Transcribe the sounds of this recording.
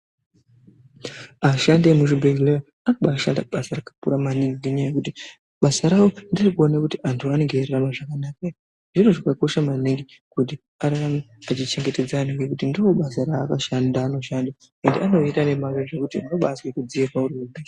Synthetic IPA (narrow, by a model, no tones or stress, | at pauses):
aʃandemuʐibʱelea | anaɓaːʃandaɓasarakḁpṵɾamaniŋɡiŋuɲajekuti | ɓasaɾawondirikuo̞nekutiʔantʰuane̞ŋɡeraramaʐakanaka | ʐiroʐakako̞ʃamaniŋɡi | kut̬i | aɾaramiat͡ʃit͡ʃe̞ŋɡe̞te̞d͡zaniŋɡekutindowoɓasaɾaːkaʃandaːno̞ʃanda | endeano̞itane̞maweʐekutinoɓaswekud͡ziirwauriubʱe